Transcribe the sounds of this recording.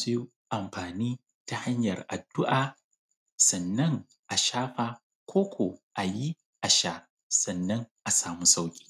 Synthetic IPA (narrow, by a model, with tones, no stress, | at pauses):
su˦ | ʔa˨mɸaː˨niː˦ | ta˨ha˦ɲjɐ˨rʔa̰˨dːʊ˦ʔaː˨ | sɐ˨nːɐ˦ŋ | ʔa˨ʃaː˦ɸaː˨ | kʷʰoː˦kʷʰo˨ʔa˨ji˦ | ʔa˨ʃaː˦ | sɐ˨nːɐ˦ŋʔa˨saː˨mu˦sa˦wkʲʼi̥ː˦˨